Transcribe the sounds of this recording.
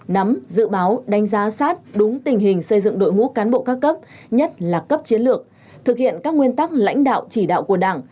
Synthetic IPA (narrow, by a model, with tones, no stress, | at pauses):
na˨˦mzɨ̰˧˨ɓaː˨˦wɗa˨˦jŋ̟zaː˨˦saː˦˥t̚ɗʊ˨˦ŋ͡mt̪ï˨˩ŋ̟ɦï˨˩ŋ̟sə˧jzɨ̰˧˨ŋɗo̰˧˨jŋṵ˧˥kaː˨˦nɓo̰˧˨kaː˦˥kːə˦˥p̚ | ɲə˦˥t̚laː˨˩kə˦˥p̚t͡ɕi˨˦ənlɨ˨˩ək̚ | t̪ʰɨ˨˩k̚hḭ˧˨ənkaː˦˥k̚ŋwi˧ənt̪aː˦˥k̚la̰˧˥jŋ̟ɗa̰ː˧˨wt͡ɕi˧˩ɗa̰ː˧˨wku˧˩əɗaː˧˩ŋ